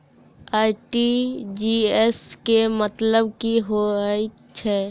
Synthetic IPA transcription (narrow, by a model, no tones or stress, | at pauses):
aːɪʈid͡ʒieskemət̪ləbkiɦoi | t͡ʃʰɛː